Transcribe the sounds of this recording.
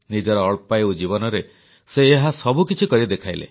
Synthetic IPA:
nid͡ʒɔɾɔːɭpajud͡ʒibɔnɔɾe | seːɦasɔbukit͡ʃʰikɔɾid̪ekʰajlḛ

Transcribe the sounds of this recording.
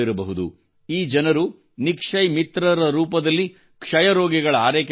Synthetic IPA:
iɾɐbɐɦud̪ṵ | iːd͡ʒɐnɐɾu | nikʂɐjmit̪ɾɐɾɐɾuːpɐd̪ɐlːi | kʂɐjɐɾoːɡɛɡɐɭɐaːɾeːk

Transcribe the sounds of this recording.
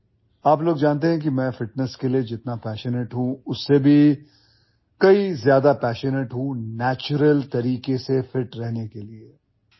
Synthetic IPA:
aːploːɡd͡ʒaːnt̪̬eɦɛ̃k̬imɛ̃ːfɪʈnəskelied͡ʒɪt̪napɛːʃənəʈɦũʊsːebʱi | kɐizjaːd̪apɛːʃənəʈɦũnɛːt͡ʃʊɾəlt̪ɐɾiːkesefɪʈɾɛɦnekelie

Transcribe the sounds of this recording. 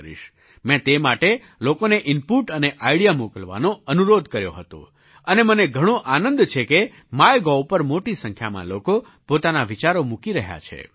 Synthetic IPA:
ɾḭʃ | mɛ̃t̪emaʈe | lokoneʔɪmpuʈəneʔaiɽijamukəlʋa̰nõənuɾod̪ʱkəɾjoɦət̪o̰ | əneməneɡʱəɽ̃õʔanə̃nd̪t͡ʃʰeke | majɡɔwpəɾmoʈisə̃ŋkʰja̰mã̰loko | pot̪anaʋit͡ʃaɾomukiɾəɦja̰t͡ʃʰḛ

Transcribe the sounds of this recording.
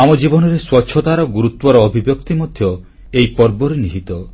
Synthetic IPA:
amɔd͡ʒibɔnɔɾeswɔtːʃʰɔt̪aɾɔɡuɾut̪wɔɾɔːbʱibjɔkt̪imɔd̪ʱjɔ | ejpɔɾbɔɾeniɦit̪ɔ

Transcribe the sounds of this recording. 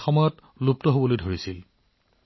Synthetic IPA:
xɔmɔjɔt | lup̚tɔɦobolojdʱoɹisil

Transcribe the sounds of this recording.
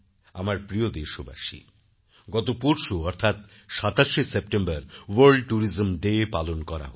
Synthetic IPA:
a̰maɾpɾiod̪eʃoba̰ʃḭ | ɡɔt̪opuɾʃoɔɾt̪ʰat̪ | ʃat̪aʃesep̚ʈembaɾwaɾɖʈuɾizmɖepalonkɔɾa̰ɦ

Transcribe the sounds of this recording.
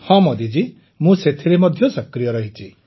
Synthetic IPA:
hɔ̃mɔd̪id͡ʒi | mũset̪ʰiɾemɔd̪ʱjɔsɔkɾijɔɾɔɦit͡ʃʰi

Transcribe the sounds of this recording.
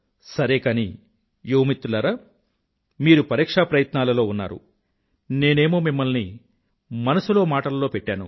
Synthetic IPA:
sɐɾeːkaːni | joːmit̪ːulɐɾɐ | miːɾupɐɾiːkʂaːpɾɐjɐt̪naːlɐlo̞ːunːa̰ːɾṵ | ne̞ːne̞ːmo̞ːmimːɐlni | mɐnɐsulo̞ːmaːʈɐlɐlo̞ːpɛʈːaːnṵ

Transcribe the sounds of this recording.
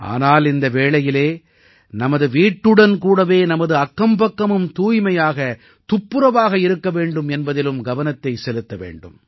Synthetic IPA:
ʔa̰ːnaːlɪnd̪ɐʋeːɭɐjɪleː | nɐmɐðɯʋiːʈːɯɽɐnkuːɽɐʋeːnɐmɐðɯɐkːɐmbɐkːɐmɯmt̪uːjmɐjaːɣɐ | t̪ʊpːɯɾɐʋaːɣɐɪɾɯkːɐʋeːɳɖɯmɛnbɐðɪlɯmɡɐʋɐnɐt̪ːɐɪsɛlɯt̪ːɐʋḛːɳɖɯ̰m

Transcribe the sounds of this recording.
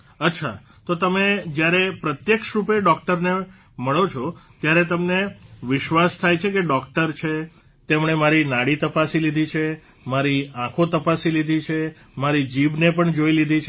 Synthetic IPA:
ətːʃʰa̰ | t̪ot̪əmed͡ʒjaɾepɾət̪jəkʃɾupeɖɔkʈəɾne | məɭot͡ʃʰɔt̪jaɾet̪əmneʋɪʃʋast̪ʰajt͡ʃʰekeɖɔkʈəɾt͡ʃʰe | t̪emɳemaɾinaɽit̪əpasilid̪ʱit͡ʃʰe | maɾiãkʰot̪əpasilid̪ʱit͡ʃʰe | maɾid͡ʒibnepəɳd͡ʒoilid̪ʱit͡ʃʰ

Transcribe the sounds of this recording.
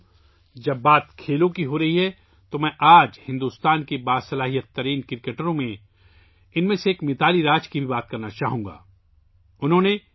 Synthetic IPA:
d͡ʒɐbːaːt̪kʰeːlõkiɦoɾɐɦiɦɛ | t̪omɛ̃ʔaːd͡ʒhɪ̃nd̪uːst̪aːnkebaːsɐlaːɦijət̪ːɐɾiːnkɪɾkeːʈəɾõmẽ | ɪnmẽseːkmɪt̪ʰaːliɾaːd͡ʒkibʱibaːt̪̚kɐɾnat͡ʃaːɦũːŋɡa̰ː | ʊnɦõːne

